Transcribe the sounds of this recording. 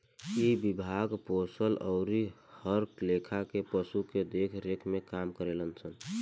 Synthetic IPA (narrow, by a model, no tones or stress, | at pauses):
ibibʱaɡposələʊɾi | həɾklekʰakepəsuked̪ekʰɾekʰmekamkəɾelənt͡ʃʰən